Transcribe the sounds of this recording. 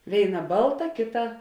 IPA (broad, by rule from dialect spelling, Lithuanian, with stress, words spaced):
ˈʋʲeːɪˌnɐ ˈbɐlˠˌtɐ ˈkʲeːˌtɐ